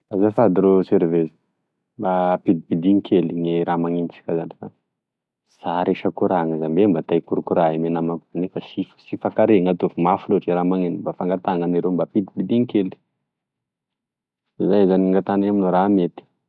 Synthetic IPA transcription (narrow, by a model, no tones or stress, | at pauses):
b̥azafad̪iɾoseɾvezi̥ | mbapid̪ibid̪iŋikʰeliŋeɾamaŋinit͡si̥kʲazanifa | saɾeʃakuɾaŋazambembat̪ajkuɾukuɾaemenamakuanifasifsifakaɾeŋat̪ovumafuluʈ͡ʂiɾamaŋenimbafaŋɡat̪aŋaniɾembapid̪ibid̪iŋikeli̥ | zajzaniŋɡat̪anaminoɾamet̪i̥